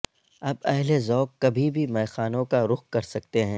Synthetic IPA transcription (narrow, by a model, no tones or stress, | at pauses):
ɐbɛɦlezɔːkːɐbʱibʱimɛːxaːnõkaɾʊxkɐɾsɐk̚t̪eɦɛ̃ː